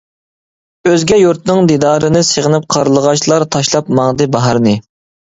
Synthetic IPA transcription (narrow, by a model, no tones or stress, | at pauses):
øzɡʲɛjuɾt̪nɨŋd̪id̪ɑːɾɨnɨseʁənɪp̚qʰɑɾlˠəʁɑʃlˠɑɾt̪ʰɑʃlˠɑpmɑŋd̪ɨbɑɦɑɾnɨ